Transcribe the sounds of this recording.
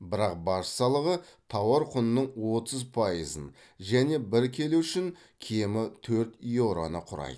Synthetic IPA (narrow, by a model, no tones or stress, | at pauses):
bɪɾɑq̚bɑʃsɑlˠəʁət̪ʰɑwɑɾqʰʊnnəɴwo̞t̪əzpʰɑjəzən | ʒæne̞bɪɾkʲʰe̞luʏʃɪŋ | kʲʰe̞mɪt̪ʰɵɾt̪ijoɾo̰nəqʰʊɾɑ̰jd̪ə